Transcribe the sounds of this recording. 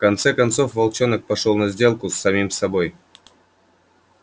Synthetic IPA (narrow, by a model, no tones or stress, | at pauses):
fkɐnt̪sɛkɐnt̪so̞fvɐlˠt͡ɕonək̚pɐʂolˠnɐzʲdʲe̞lˠkʊsːɐmʲimsɐbo̞j